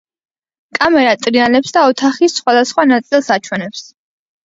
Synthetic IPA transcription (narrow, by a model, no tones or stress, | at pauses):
kʼamɛɾat̪ʼɾianɛpsd̪aɔt̪ʰaχisχwad̪asχwanat̪sʼilˠsat͡ʃʰwɛnɛps